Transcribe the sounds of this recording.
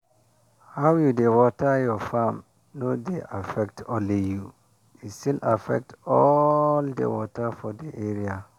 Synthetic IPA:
hawjudewɔtʰajɔfãm | nodeʔafɛk̚tʰɔ̃liju | istilafɛ̰k̚tɔldḛwɔtʰafɔdeʔeɾia

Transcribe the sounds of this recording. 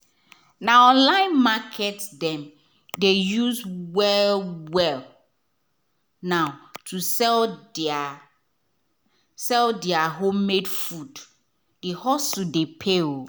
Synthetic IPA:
naɔ̃nlãɪ̃nmakʰɛtdɛ̃m | dejuzwɛlwɛl | naʊtʰusɛl | sɛldiaɦomːedfud | dihɔsudepʰeo

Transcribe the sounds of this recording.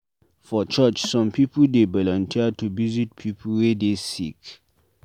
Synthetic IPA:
fɔt͡ʃət͡ʃsɔ̃mpʰipudebɔlɔ̃ntʰiatuvizit̚pʰipʰwedesik

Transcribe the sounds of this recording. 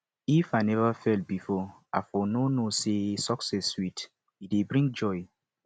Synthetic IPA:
ifanɛvafɛlt̚bifɔa̰fɔnonosesɔksɛswit | idebɹĩŋ̚d͡ʒɔj

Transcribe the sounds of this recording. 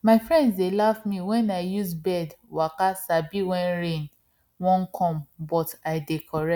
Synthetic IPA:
maɪfɹɛ̃ndsdelafmĩwɛ̃naɪjuzbɛdwakasabiwɛ̃nɹẽn | wɔ̃nkʰɔ̃mbɔtaɪdekʰɔɹɛ

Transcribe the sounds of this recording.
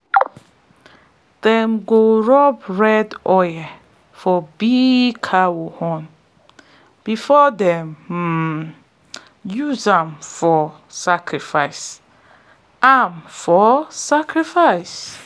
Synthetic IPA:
d̥ɛ̃mɡoɹɔbɹɛdɔjɛ | fɔbikʰawohɔ̃n | b̥ifɔdɛ̃m̩ | juzãmfɔ | sakʰɹifaɪs | ãmfɔsakʰɾifaɪs

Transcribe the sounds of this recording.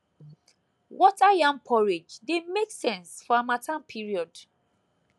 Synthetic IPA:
wɔtajãmpʰɔɹed͡ʒdemeksɛ̃nsfɔamatʰãnpʰiɹiɔd

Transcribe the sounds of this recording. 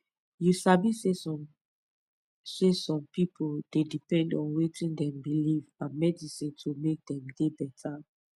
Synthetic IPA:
jusabise | sesɔ̃mpipʰold̥edipɛ̃ndɔ̃nwetʰĩndɛ̃mbilivãnmɛdisĩntʰomek̚dɛ̃mdebɛtʰa

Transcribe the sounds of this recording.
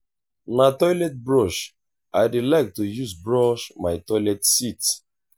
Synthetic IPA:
matɔjlɛt̚bɹɔʃ | ajdelaɪk̚tujuzbɹɔʃmaɪtɔlɛtsit

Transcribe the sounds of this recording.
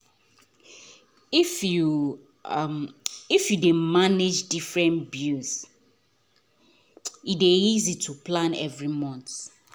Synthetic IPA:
ifju | ifjudẽmaned͡ʒdifɹɛ̃nbils | ideizitʰupʰlãnɛ̰vɹimɔ̃nt̪

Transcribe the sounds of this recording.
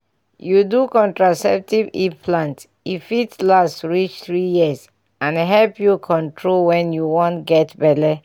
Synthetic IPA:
judukɔ̃ntɹasɛp̚tivḭpʰlãnt | ifitlastɹit͡ʃθɹijiəs | ãnɦɛlpjukʰɔ̃ntʰɹolwɛ̃njuwɔ̃ntɡɛtbɛtɛ

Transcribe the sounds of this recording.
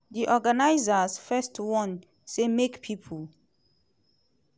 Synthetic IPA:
diʔɔɡanajzasfɛstwɔ̃n | semekpʰipʰul

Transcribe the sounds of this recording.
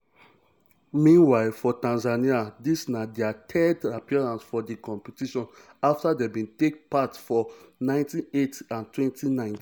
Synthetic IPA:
mĩnwaɪlfɔtãnzaniadisnadɛatʰɛdapiɔɹãnsfɔdekɔ̃mpitiʃɔ̃n | aftadebĩntek̚patfɔnãɪ̃ntĩetãntwɛ̃ntinãɪ̃nt

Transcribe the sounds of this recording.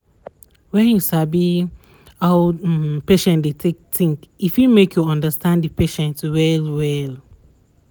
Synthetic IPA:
wɛ̃njusabi | hawpeʃɛ̃ntdetʰek̚tĩŋkifjumekjuɔ̃ndəstʰãnddipeʃɛ̃ntwɛlwɛl

